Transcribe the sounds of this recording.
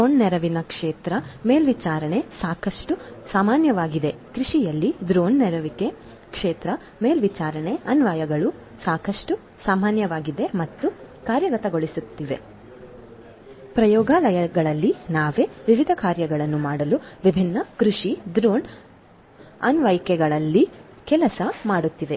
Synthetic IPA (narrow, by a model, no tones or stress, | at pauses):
d̪oːnnɛɾɐʋinɐkʂeːt̪ɾɐmeːlʋit͡ʃaːɾɐɳe̞saːkɐʂʈusaːmaːnjɐʋaːɡid̪e̞kɾuʂijɐlːid̪ɾoːɳnɛɾɐʋike | kʂeːt̪ɾɐ | me̞ːlʋit͡ʃaːɾɐɳe̞ɐnʋɐjɐɡɐɭu | saːkɐʂʈu | saːmaːnjɐʋaːɡid̪e̞mɐt̪ːukaːɾjɐɡɐt̪ɐɡo̞ɭisut̪ːiʋe̞ | pɾɐjɔːɡaːlɐjɐɡɐɭɐlːinaːʋe̞ːʋiʋid̪ʱɐkaːɾjɐɡɐɭɐnːumaːɽɐluʋibʱinːɐkɾuʂid̪ɾoːn | ɐ̰nʋɐjkɛɡɐɭɐlːi | kɛlɐsɐmaːɽut̪ːiʋe̞